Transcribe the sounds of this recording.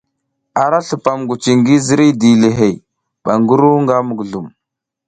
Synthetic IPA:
a˨ɾa˦ɬu˨pa˨mɡu˨t͡ʃi˨ŋɡi˦zi˦ɾi˦di˨le˨ɦe˨j | ɓa˨ŋɡu˦ɾu˦ŋɡa˦mu˨ɡɮu˨m

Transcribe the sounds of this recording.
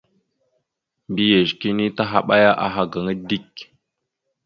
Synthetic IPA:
bi˦je˨ʃki˦ni˦ta˦ɦa˨ɓa˦ja˦ʔa˨ɦa˨ɡa˨ŋə˦di˦k

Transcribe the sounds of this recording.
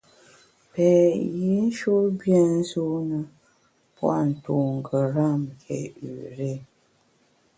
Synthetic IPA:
pɛ˨ji˦n̩˦ʃo˦bjɛ˦n̩˦zo˦nə˨ | pwa˦˨n̩˨to˨ŋ̩˨ɡə˨ɾa˦˨mkʰɛ̰˨ʉ̰˨ɾe˦

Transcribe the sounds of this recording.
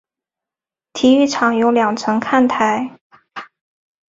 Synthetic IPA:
t̪ʰi˧˥y˥˩ʈ͡ʂʰɑ˨˩ŋjo˧˥ʊljɑ˨˩ŋʈ͡ʂʰɤ˧˥ŋkʰa˥˩nt̪ʰa˧˥ɪ

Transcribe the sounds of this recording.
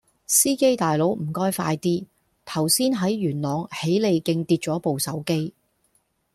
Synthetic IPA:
siː˥ke˥jt̪aː˨jlo˨˥wm̩˨˩kɔː˥jfa̰ː˧jt̪iː˥ | t̪ʰɐ˨˩wsiː˥nɦɐ˨˥jɥyː˨˩nlɔː˨ŋhe˨˥jle˨˧jkɪ˧ŋt̪iː˧t̚t͡ʃɔː˨˥po˨wsɐ˨˥wke˥j

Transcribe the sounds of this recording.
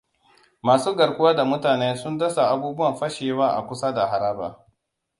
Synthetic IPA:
maː˨suː˦ɡɐ˨ɾkʷʊ˦waː˦da˨mʊ˦taː˨neː˦sʊ˦ndɐ˦sa˨ʔa˦buː˦bʊ˦wɐ˨mɸɐ˦ʃeː˨waː˦ʔa̰˨kʷʊ˦sa˦da˨ɦa˨ɾaː˦ba̰ː˨

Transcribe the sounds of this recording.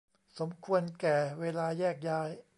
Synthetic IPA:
so˩˦mkʰu˧ənkɛː˨˩weː˧laː˧jɛː˥˩k̚jaː˧˥j

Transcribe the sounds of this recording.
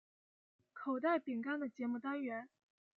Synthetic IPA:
kʰo˨˩ʊt̪a˥˩ɪpi˨˩ŋka˥nd̪ə˨t͡ɕjɛ˧˥mu˥˧t̪a˥nɥɛ˧˥n

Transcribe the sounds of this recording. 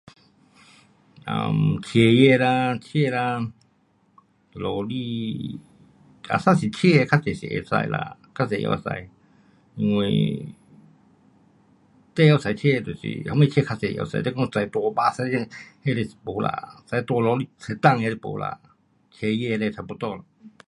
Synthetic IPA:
ʔa̰˧mt͡ɕʰe˧˦jɛ˧˨la˧t͡ɕʰe˥˧˨la˧ | lɔ˧li˧ | a̰˧˨saː˥˨si˨t͡ɕʰe˥˧˨kʰa˧˥se˨sḭ˧˨ʔe˧˨sa̰˧jla̰˧˨kʰa˧˥se˨˧˦ja̰˧a˧sa̰˧j | ŋwe˧ | t̪ɛ˦˧˨ja˧wsa˨˧jt͡ɕʰe˥˧˨t̪u˧˨sḭ˧˨ha˧˦mẽ˧˨t͡ɕʰɛː˥˧kʰa˧se˨˧˨ja̰˧˨sa̰˧˦t̪ɛ˧˦˧kɔ˥˧ŋsa˨˦jt̪wɔ˧baː˧sa˧˦˧he˧le˧si˨po˨˧˦la̰˧sa˧jt̪ɔ˧lɔ˧˦li˧sa˨˧˦t̪a˥˧˨ŋja˧le˧˨po̰˨˦la̰˧˨ | t͡ɕʰe˧jɛ˧le˧sʰa˨˧˦po˧˦t̪ɔ˧˨la˧˨

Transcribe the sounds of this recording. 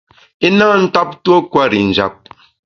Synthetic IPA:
i˦na˦˨n̩˦ta˦p̚two˦kwa˦ɾi˨n̩˨d͡ʒa̰˨p̚

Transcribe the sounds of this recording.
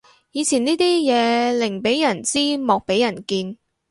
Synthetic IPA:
jiː˨˧t͡sʰiː˨˩niː˥t̪iː˥jɛː˨˧lɪ˨˩ŋpe˨˥jjɐ˨˩nt͡siː˥mɔː˨k̚pe˨˥jɐ˨˩nkiː˧n

